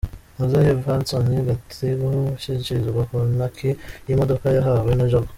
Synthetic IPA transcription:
mozahefansoniɡatʰiɡoʃiciɾizɡwakonakʰijimodokajaɦawenoʒoɡa

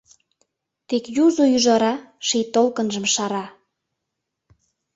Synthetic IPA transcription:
t̪ekjuzojyʒɑɾɑʃijt̪olkə̆nʒə̆mʃɑɾɑ

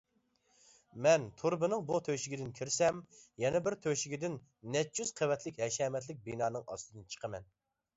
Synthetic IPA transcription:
mɛnt̪ʰuɾbɨnɨŋbut̪ʰøʃɪɡʲid̪ɪnkʲʰiɾsɛmjɛnɛbɪɾt̪ʰøʃɪɡʲid̪ɪnː | ɛt̪̚t͡ʃyz̥qʰəwɛt̪ʰlɪkʲhɛʃɛːmɛt̪̬lɪk̚ʲbinɑːnɨŋɑ̰st̪ɨd̪ɨnt͡ʃʰə̥qʰəmɛn

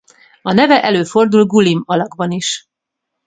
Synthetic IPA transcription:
ɒnɛvɛʔɛløːfo̞rd̪ulɡulimɒlɒɡbɒniʃ

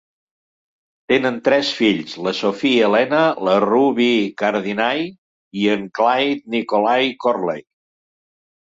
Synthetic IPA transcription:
t̪enənt̪ɾɛsfiʎzləsofielɛnələruβikəɾðinaj | iəŋklajt̪̚nikolajkorlḛj

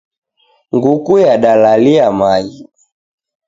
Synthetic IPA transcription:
ŋɡukujaɗalaliamai

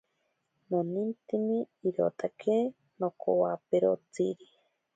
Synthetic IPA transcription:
nonint̪iniː | ɾo̰t̪akʰe | nokʰo̰wapeɾo̰t͡siɾi

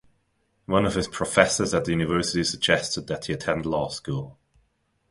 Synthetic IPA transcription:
wʌ̃nəv̥ɪz̥pʰɹ̥əfɛsəzəʔ̪ʔðəjʉːnɪvɜˑsɪtisəɡ̚d͡ʒɛstɪd̪̚ðəʔhiətʰɛ̃ndˡlɑːˑskuːlˠ

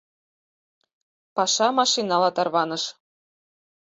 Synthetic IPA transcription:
pɑʃɑmɑʃinɑlɑt̪ɑrβɑnɤʃ

